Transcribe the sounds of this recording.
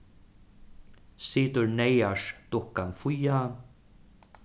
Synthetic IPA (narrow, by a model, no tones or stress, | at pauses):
siːt̪ʊɹnejaʂt̪ʊhkanfʊjan